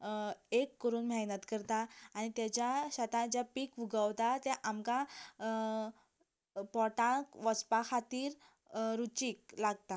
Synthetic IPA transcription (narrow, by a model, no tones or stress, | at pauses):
ekːəɾuːnmjanət̪kəɾt̪aːñit̪jat͡ɕjaɕat̪ãd͡ʑjapiːkʋuɡəwt̪at̪ɛʔamka | pɔʈãkʋɔspakʰat̪iːɾ | ɾut͡ɕiːk̚laɡ̚t̪a